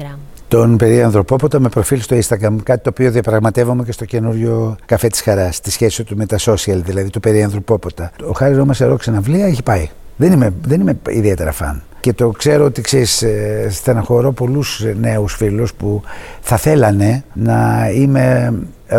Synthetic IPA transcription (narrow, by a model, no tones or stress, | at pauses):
t̪o̞npe̞ɾiɐnθɾo̞po̞po̞t̪ɐme̞pɾo̞filst̪o̞inst̪ɐɣɾɐmkɐt̪it̪oːpio̞ðiɐpɾɐɣmɐt̪e̞vomecest̪o̞ce̞nuɾʝo̞kɐfe̞t̪i̥sxɐɾɐst̪isçe̞siot̪ume̞t̪ɐso̞siɐlðilɐðit̪ope̞ɾiɐnθɾopo̞po̞t̪ɐoxɐɾiomɐseɾo̞ksinɐvliɐeçi̥pɐiðe̞nimeðe̞nime̞ḭðie̞t̪e̞ɾɐ̰fɐ̰n | ce̞t̪o̞kse̞ɾoot̪ikseɾist̪enɐxo̞ɾo̞po̞lusne̞usfiluspuθɐθe̞lɐne̞nɐime̞